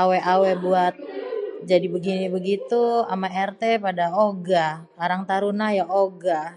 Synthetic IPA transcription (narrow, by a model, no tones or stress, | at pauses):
awɛʔawɛbuat̪̚d͡ʒadibəɡinibəɡit̪ua̰maɛrt̪epadaoɡakaɾaŋt̪aɾunajaʔoɡa